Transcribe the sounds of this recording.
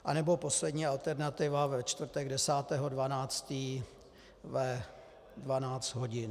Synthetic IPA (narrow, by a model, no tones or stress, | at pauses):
ʔanɛbo̞po̞slɛdɲiːalt̪ɛɾnat̪ɪvavɛt͡ʃt̪vr̩t̪ɛɡdɛsaːt̪ɛːɦo̞dvanaːt͡st̪iː | vɛ | dvanaːt͡st̪ɦo̞ɟɪn